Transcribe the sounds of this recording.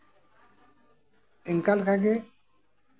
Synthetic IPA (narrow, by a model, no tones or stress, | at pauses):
iŋkalkʰaɡe